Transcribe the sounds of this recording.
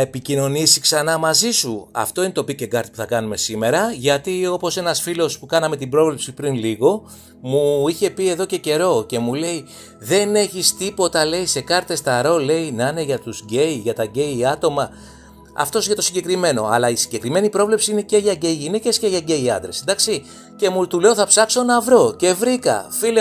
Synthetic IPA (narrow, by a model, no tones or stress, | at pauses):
ɐepicino̞nisiksɐnɐmɐzisuɐ̰ft̪o̞inet̪o̞piceɡɐɾt̪i̥pu̥θɐkɐnume̞sime̞ɾɐʝɐt̪io̞po̞se̞nɐsfilo̞spukɐnɐme̞t̪ibɾo̞vlepsipɾinliɣo̞ | muiçe̞pie̞ðo̞ce̞ce̞ɾo̞ce̞mule̞i | ðe̞ne̞çist̪ipo̞t̪ɐle̞ise̞kɐɾt̪e̞st̪ɐɾo̞le̞inɐne̞ʝɐt̪uzɟe̞iʝɐt̪ɐɟe̞iɐt̪o̞mɐ | ɐ̰ft̪o̞siʝɐt̪o̞siɲɟe̞kɾime̞no̞̰ɐ̰lɐisiɲɟe̞kɾime̞nipɾo̞vle̞psiine̞ce̞ʝɐɟeiʝine̞ce̞sce̞ʝɐɟe̞iɐ̰nd̪ɾe̞sid̪ɐksi | ce̞mut̪ule̞o̞θɐpsɐkso̞nɐvɾo̞ce̞vɾikɐ̰file